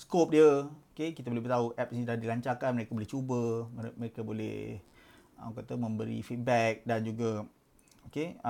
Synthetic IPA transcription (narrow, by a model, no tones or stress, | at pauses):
skop̚diəokekit̪abolehbəɾt̪auʔɛp̚nidahdilaɲt͡ʃakanməɾekaboleht͡ʃubəməɾekabolɛ̰h | ə̰mkat̪amə̃mbəɾḭfit̪̚bɛk̚dand͡ʒuɡa | oke